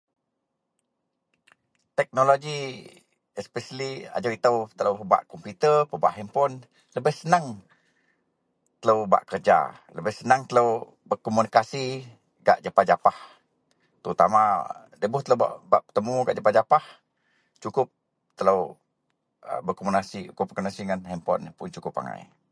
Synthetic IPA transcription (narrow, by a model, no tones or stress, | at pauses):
t̪ɛk̚noloɡi | ɛspɛsəlia̰d͡ʒawit̪əwt̪ələwpəba̰ʔkɔmput̪ərpəba̰ʔɦɛmpɔn | ləbɪhsənaŋ | t̪ələwba̰ʔkərd͡ʒa̰ | ləbɪhsənaŋt̪ələw | bərkɔmunikasi | ɡa̰ʔd͡ʒapahd͡ʒapah | t̪əɾut̪a̰ma | dəbʊht̪ələwba̰ʔbaʔpət̪əmuɡaʔd͡ʒapad͡ʒapah | t͡ʃukʊp̚ | t̪ələw | ə̰bərkɔmunikasiukʊp̚ːəkuniasiŋanhɛmpɔ̰npʊnt͡ʃukʊpa̰ŋa̰j